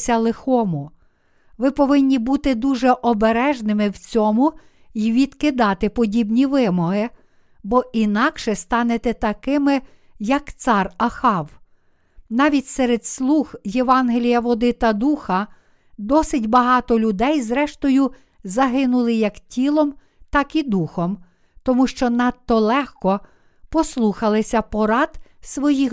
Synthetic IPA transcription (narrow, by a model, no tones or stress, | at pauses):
sʲɐlˠɪxɔmʊ | ʋɪpɔʋɪnʲːibut̪ɪd̪uʒɛʔɔbeɾɛʒnɪmɪwt͡sʲɔmʊ | iʋʲid̪̥kɪd̪ɑt̪ɪpɔdʲibnʲiʋɪmɔɦɪ | bɔinɑkʃɛst̪ɑnet̪ɛt̪ɐkɪmɪ | jɐkt̪sɑrɐxɑw | nɑʋʲitʲsɛɾed̪slˠuɣjeʋɑnɦelʲijɐʋɔd̪ɪt̪ɐd̪uxɐ | d̪ɔsɪtʲbɐɦɑt̪ɔlʲʊd̪ɛjzɾɛʃt̪ɔjʊ | zɐɦɪnʊlˠɪjɐktʲilˠɔm | t̪ɑkid̪uxɔm | t̪ɔmuʃt͡ʃɔnɑt̪ːɔlˠɛxkɔ | pɔslˠuxɐlˠɪsʲɐpɔɾɑd̪sʋɔji